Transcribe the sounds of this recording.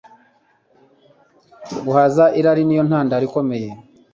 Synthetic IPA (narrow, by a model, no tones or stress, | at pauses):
ɡuhazaʔiɾaɾinijo̞n̥haːndaɾiko̞me̞je̞